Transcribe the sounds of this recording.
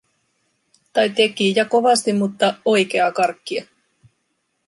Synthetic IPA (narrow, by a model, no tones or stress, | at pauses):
t̪ɑjt̪e̞kijɑko̞ʋɑst̪immut̪ːɑo̞jke̞ɑkɑrkːiɑ